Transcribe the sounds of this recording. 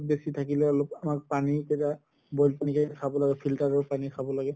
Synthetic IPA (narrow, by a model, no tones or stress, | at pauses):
t̚besitʰakilɛlopamak̚panikɛta | bɔjlpanikakʰabɔlaɡɛpʰiltaɹɔɹpanikʰabɔlaɡɛ